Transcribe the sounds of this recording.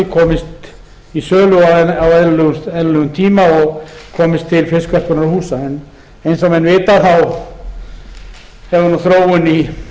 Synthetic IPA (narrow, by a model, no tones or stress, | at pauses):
kʰɔːmɪst̪ | isœːlʏaawɛðlʏɛðlʏɣʏmt̪ʰiːmaɔɣkʰɔːmɪst̪ʰːɪlfɪskɛr̥pʏɾnaɾahuːsaɛn | ejnsamɛnvɪːt̪aθaw | hɛvʏnuθɾoːwʏni